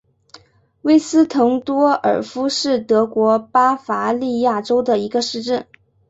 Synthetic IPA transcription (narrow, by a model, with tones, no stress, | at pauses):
we˥ɪsɹ̩˥t̪ʰɤ˧˥ŋt̪wɔ˥ə̰˞˨˩fu˥ʂɻ̩˥˩t̪ɤ˧˥kwɔ˧˥pa˥fa˧˥li˥˧ja˥˩ʈ͡ʂo˥ʊd̪ə˨i˧˥ɡə˧ʂɻ̩˥˧ʈ͡ʂə˥˩n